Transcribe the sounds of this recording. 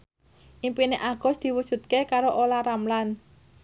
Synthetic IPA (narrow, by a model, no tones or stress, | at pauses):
ʔimpineʔaɡ̥ɔ̤sd̪̥i̤wusṳt̪̚kekaɾoʔolaɾamlan